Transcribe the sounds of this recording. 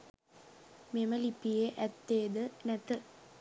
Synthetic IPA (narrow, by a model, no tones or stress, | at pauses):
meməlipijeʔæt̪ːeːd̪ənæt̪ə